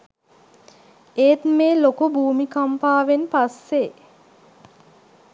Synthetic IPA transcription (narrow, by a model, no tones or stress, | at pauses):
eːt̪meːlokubuːmikampaːʋenpasːe